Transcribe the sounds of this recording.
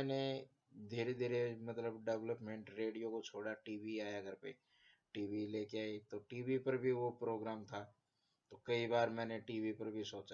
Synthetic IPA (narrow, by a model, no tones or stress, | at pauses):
ɛːne | d̪ʱeːɾed̪ʱeːɾemɐt̪ləbɖɛʋləpmẽɳʈɾeːɖijokot͡ʃʰoːɽaʈiːʋiaːjaɡəɾpḛ | ʈiːʋileːkeaːit̪oʈiːʋipɐɾbʱiʋopɾoːɡɾaːmt̪ʰa | t̪okɐibaːɾmɛ̃ːneʈiːʋipɐɾbʱisoːt͡ʃa